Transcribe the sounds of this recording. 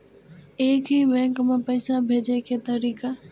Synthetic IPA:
eːkʰĩːbɛ̃ːŋkmẽpəɪsabʱeːd͡ʑekʰeːt̪ɐɾiːkaː

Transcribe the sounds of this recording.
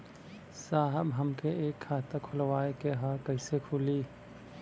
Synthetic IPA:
saːɦəbɦɐmkeeːkʰːaːt̪akʰʊlwaːekeɦaːkɐisekʰʊliː

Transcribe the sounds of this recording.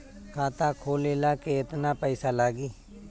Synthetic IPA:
kʰaːt̪aːkʰoːleːlaːkeɪt̪naːpəiːsaːlaːɡiː

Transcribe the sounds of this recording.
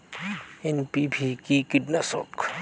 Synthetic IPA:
enpibʱikikidnasɔ̰k

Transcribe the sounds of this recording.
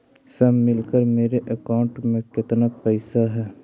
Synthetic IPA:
səmɪlkəɾmeːɾeʔəkaːʊ̃ɳʈmẽkɪt̪napɛːsaɦɛː

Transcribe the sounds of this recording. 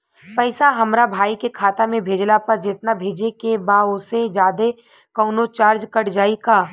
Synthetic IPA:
pɛːsaɦɐmɾabʱaːikekʰaːt̪amẽbʱeːd͡ʒlapɐɾd͡ʒɪt̪nabʱeːd͡ʒekebaːʊsed͡ʒaːd̪e | kɔːnot͡ʃaːɾd͡ʒkɐɽd͡ʒaːikaː

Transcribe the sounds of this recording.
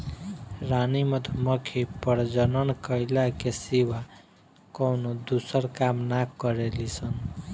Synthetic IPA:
ɾanimət̪ʰməkʰepəɾd͡ʒənənkəjlakesiʋa | kɔwnod̪usəɾkamnakːəɾelisən

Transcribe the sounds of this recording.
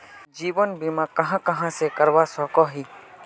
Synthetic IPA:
d͡ʒiːʋənbimãkɐɦãkɐɦãsekəɾʋasɔːkɔɦiː

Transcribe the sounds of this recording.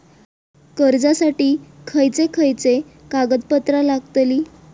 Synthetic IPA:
kəɾd͡zasaʈiːkʰəjt͡sekʰəjt͡sekaɡəd̪pət̪ɾalaɡt̪liː

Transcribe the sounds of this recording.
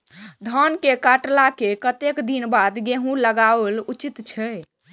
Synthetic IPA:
d̪ʱənkekaʈlakekət̪ekd̪inbad̪ɡeɦũləɡaəlut͡ʃit̪t͡ʃʰɛ

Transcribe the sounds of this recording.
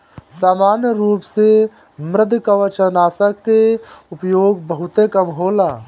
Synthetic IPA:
saːmaːnjəɾuːpse | mɾɪd̪ʱkəʋət͡ʃənaːsəkːeʊpjoːɡbəɦʊt̪ekəmɦoːlaː

